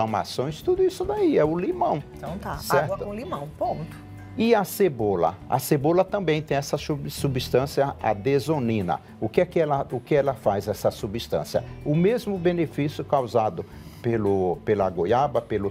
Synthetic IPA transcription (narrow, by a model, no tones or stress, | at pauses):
ama̰sõj̃st̪ud̪ʊisʊd̪aiɛʊlimɐ̃w̃t̪ɐ̃w̃t̪asɛɾt̪ʊõlimɐ̃w̃põt̪ʊ̥ | ɪɐsebolɐ̰a̰sebolɐt̪ɐ̃mbẽj̃t̪ẽj̃ɛsɐsusubist̪ɐ̃siɐa̰d̪ezonĩnɐ̰ | ʊkɪɛkɪɛlɐʊkɪɛlɐfajzɛsɐsubist̪ɐ̰̃sjɐ̰ʊmezmʊbẽnefisjʊkawzad̪ʊ | pelʊpelɐaɡojabɐpelʊ